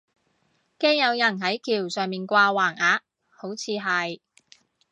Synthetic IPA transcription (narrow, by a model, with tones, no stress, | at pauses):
keː˥ŋjɐ˨˧wjɐ˨˩nɦɐ˨˥jkʰiː˨˩wsœː˨ŋmiː˨˩nkʷaː˧waː˨˩ŋaː˨˧ | ho˨˥wt͡sʰiː˨˧ɦɐ˨j